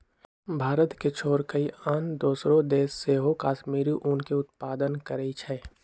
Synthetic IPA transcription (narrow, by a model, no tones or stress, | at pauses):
bʱaːɾət̪ket͡ʃʰoːɾkəiand̪oːsɾõd̪eːsːeɦokaːʃmiːɾiʔʊnkeʊt̪̚paːd̪ənkəɾəit͡ʃʰɛː